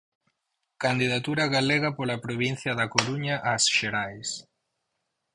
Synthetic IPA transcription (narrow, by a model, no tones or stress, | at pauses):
kand̪iðat̪uɾaɣaleɣɐpolapɾoβin̟θjɐðakoɾuɲaʔasʃeɾajs